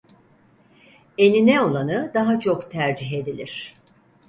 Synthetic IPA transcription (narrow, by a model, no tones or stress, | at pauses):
e̞ninɛo̞lˠanɯd̪aɦat͡ʃʰo̞kt̪ʰæɾd͡ʒiɦe̞d̪ilʲiɾ̥